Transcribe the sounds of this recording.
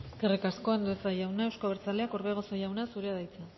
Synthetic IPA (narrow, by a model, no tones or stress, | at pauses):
eskerekasko̞end̪uesajawnaewskoβeɾt͡saleakoɾβeɣ̞o̞sajawnasuɾeaðajt͡sen